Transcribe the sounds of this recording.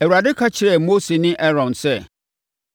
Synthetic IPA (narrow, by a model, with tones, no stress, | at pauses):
æ˨wu˨ɾa˨dɪ˦kʰa˦t͡ɕʰɪ˨ɾɛ˦˨mo˦se˨nɪ̃˦ʔɛ˦ɾɔ̃˨nsɛ˦˨